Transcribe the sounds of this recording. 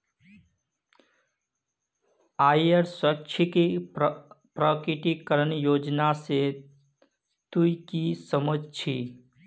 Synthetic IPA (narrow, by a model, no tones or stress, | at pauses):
ajəɾswəkt͡ʃʰəke | pɾəkɾiʈikəɾənjod͡ʒnase | t̪uikisəməd͡ʒʱt͡ʃʰi